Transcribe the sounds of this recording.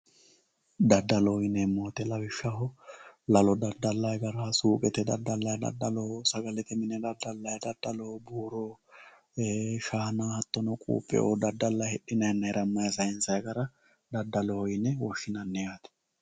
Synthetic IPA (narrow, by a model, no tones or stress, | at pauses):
d̪ɐd̪ːɐlɔɪnɛmːoːt̪ɛlɐwɪʃːɐɦɔlɐlɔd̪ɐd̪ːɐlːɐjɡɐɾɐsuːkʼɛt̪ɛd̪ɐ̰d̪ːɐlːɐjɐd̪ɐ̰d̪ːɐlɔhɔsɐɡɐlɛt̪ɛmɪnɛd̪ɐd̪ːɐlːɐjɐd̪ɐd̪ːɐlɔhɔbuːɾo | ʃaːnahɐt̪ːɔnɔkʼṵːpʼːɛ̰ʔo̰ːd̪ɐd̪ːɐlːɐhɛɗɪnɐjnːɐɛɾɐmːɐjɐsɐjɪnsɐjɡɐɾɐ | d̪ɐd̪ːɐlɔhɔjɪnːɛwɔʃːɪnɐnːɛjaːt̪ɛ̥